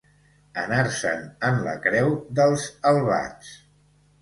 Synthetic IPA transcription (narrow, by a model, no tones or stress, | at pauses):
ənaɾsə̰nənlə̰kɾɛwðəlˠzəlˠβa̰t͡s